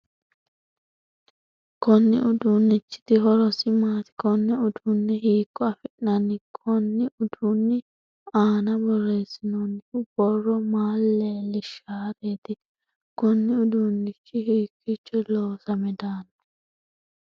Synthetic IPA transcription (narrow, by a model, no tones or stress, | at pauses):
kɔnːɪ̰ʔʊd̪unːɪt͡ʃːɪ̥t̪ɪɦɔɾɔsɪmaːt̪ɪ̥kɔnːɛʊd̪unːɛɦiːkːɔɐfɪʔnɐnɪkʰɔnːɪʔʊd̪uːnːɪ | aːnɐbɔrːe̞ːsɪnɔnɪʊb̥ɔrːɔmaːlːelɪʃaːɾeːt̪ɪ | kɔnːɪʊd̪unːɪt͡ʃːɪhiːkːɪt͡ʃːɔloːsɐmɛd̪aːnɐ